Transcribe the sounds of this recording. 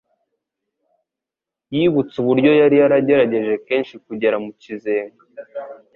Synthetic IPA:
jiːβut͡suβuɾɟo̞jaɾijaɾaɟe̞ɾaɟe̞ʒe̞ke̞ːnʃikuɟe̞ɾamucizeːŋɡa

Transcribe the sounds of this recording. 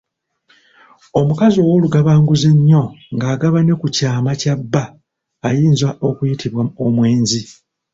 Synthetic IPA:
o̞mukazo̞ːwo̞ːluɡaβaːŋɡuze̞ɲːo̞ŋɡaːɡaβane̞kucaːmacabːaː | jiːnzaʔo̞kujitʰiβwaomwe̞ːnzi

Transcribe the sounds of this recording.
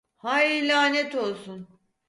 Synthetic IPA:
hajilʲaːnet̪o̞lˠsun

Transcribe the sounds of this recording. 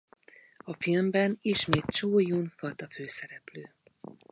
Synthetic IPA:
ɒfilmbɛniʃmeːt̪̚t͡ʃuːjunfɒt̪ɒføːsɛɾɛpløː

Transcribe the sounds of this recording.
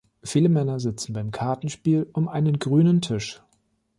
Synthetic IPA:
fiːləmɛnɐzɪt͡sn̩baɪmkʰaɐtn̩ʃpiːlʔʊmʔaɪnənɡʁyːnəntʰɪʃ

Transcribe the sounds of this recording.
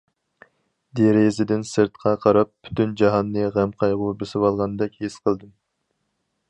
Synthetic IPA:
d̪eɾezɪd̪ɪnsɨɾt̪qʰɑqʰɑɾɑp̚ʰːy̥t̪ʰynd͡ʒɑɦɑnːɨʁæmqʰɑjʁʊbesɪwɑlˠʁɑnɨd̪ɛkʲhesqʰəlˠd̪ɨm

